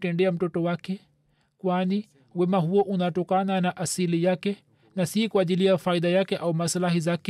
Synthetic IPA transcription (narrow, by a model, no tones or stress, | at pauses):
tɛndɛam̩tɔtɔwakɛ | kwani | wɛmaɦuɔʔunatɔkananaʔasilijakɛ | nasikuaʄiliafaiɗajakɛʔaumaslahizakɛ